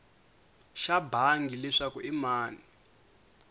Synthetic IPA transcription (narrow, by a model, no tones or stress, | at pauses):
ʃabʱaŋɡilɛʂakuʔimaːni